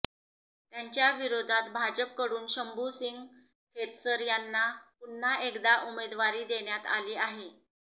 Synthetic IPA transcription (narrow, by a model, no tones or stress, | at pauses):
t̪jaɲt͡ɕjaʋiɾod̪ʱat̪bʱad͡ʑəp̚kəɽuːnɕəmbusiŋɡ | kʰet̪səɾjanːapun̤ːaʔekd̪aʔumed̪ʋaɾiːd̪eɳjat̪a̰liːaɦe